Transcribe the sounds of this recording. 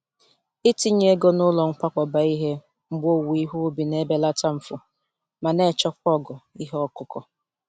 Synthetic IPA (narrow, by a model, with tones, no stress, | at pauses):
ɪ˦ti˦ɲe˦ɡo˦nʊ˦lɔ˨ŋ̩˦kʷa˦kʷɔ˨ba˨i˦ɦe˦ | m̩˦ɡ͡bo˦wu˨i˦ɦu˦bi˨ne˦be˦la˦ta˦m̩˨fʊ˨ | ma˨ne˦˨t͡ʃɔ˦k͡p̚ʷɔ˦˨ɡɔ˨i˦ɦɔ˦kʊ˦kɔ˦